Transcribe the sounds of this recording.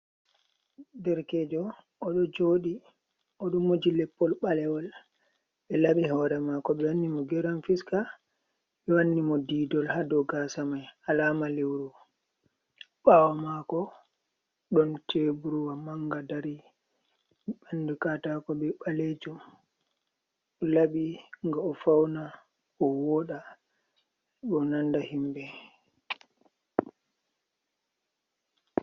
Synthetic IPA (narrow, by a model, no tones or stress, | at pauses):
dɛɾkɛd͡ʒɔ | ɔɗɔd͡ʒoɗi | ʔɔɗumːod͡ʒilɛpːɔlɓalɛwɔl | ɓɛlaɓiɦɔɾɛmakɔɓɛwanːimɔɡɛɾanfiska | ɓɛwanːimɔdiːdɔlhadɔɡasamajalaːmalewɾu | ɓawamakɔ | ɗɔntebuɾuwamaŋɡadaɾi | ɓandukatakɔɓɛɓaled͡ʒum | ɔlaɓiŋɡaɔfawna | ɔwɔɗa | ɗɔnandahimbɛ